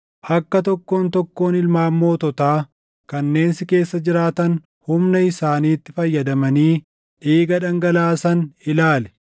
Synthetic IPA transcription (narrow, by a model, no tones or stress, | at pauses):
ʔɐkːɐt̪ɔkːo̞ːnt̪ɔkːo̞ːnɪlmaːmːo̞ːt̪ɔt̪aː | kɐnːe̞ːnsɪke̞ːsːɐd͡ʒɪɾaːt̪ɐn | hʊmnɐɪsaːniːt̪ːɪfɐjːɐd̪ɐmɐniː | ʔeːɡɐᶑɐŋɡɐlaːsɐnɪlaːlɛ̥